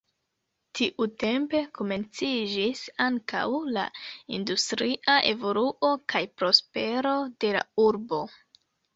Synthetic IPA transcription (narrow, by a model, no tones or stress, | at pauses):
tiʔute̞mpe̞kome̞nt͡sid͡ʒisaŋka̰wla̰industɾiʔaʔe̞vo̞luʔo̞kajpɾo̞spe̞ɾo̞de̞la̰uɾbo̞